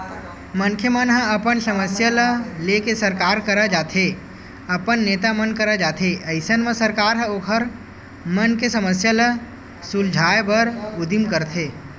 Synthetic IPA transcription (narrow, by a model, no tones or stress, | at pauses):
mɐnkʰjəmənɦə̃ɐpənsɐməsjaləlekesɐɾkaːɾkəɾad͡ʒaːt̪ʰe | ɐpənːeːt̪amənkɐɾad͡ʒaːt̪ʰeʔɐɪsənmə̃səɾkaːɾɦə̃oːkʰəɾ | mənkesɐməsjalə | sʊld͡ʒʱaːebəɾʊd̪imkəɾt̪ʰeː